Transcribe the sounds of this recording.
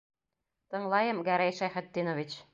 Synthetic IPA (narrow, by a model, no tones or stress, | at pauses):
t̪ɤ̆ŋlˠɑjɤmɡæɾæjʃæjχɘ̆t̪ːinŏvit͡ɕ